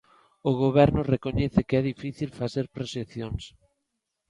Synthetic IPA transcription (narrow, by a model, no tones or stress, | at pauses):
ʊɣoβɛɾnʊrekoɲɛθɪkɛðifiθilfaθeɾpɾoseθjoŋs